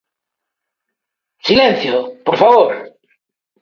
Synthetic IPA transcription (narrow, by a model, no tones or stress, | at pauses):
silẽn̟θjopoɾfaβoɾ